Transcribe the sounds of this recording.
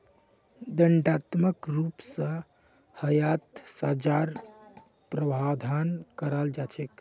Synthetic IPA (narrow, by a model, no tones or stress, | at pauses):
d̪əɳɖat̪məkɾupsə̃ | həjat̪sad͡ʒaɾ | pɾəbʱad̪ʱankəɾəld͡ʒat͡ʃʰɛk